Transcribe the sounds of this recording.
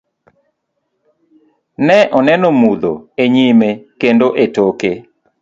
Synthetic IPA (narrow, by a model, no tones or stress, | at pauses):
nɛʔɔnɛnɔmud̪o̰eɲimekendoʔetoke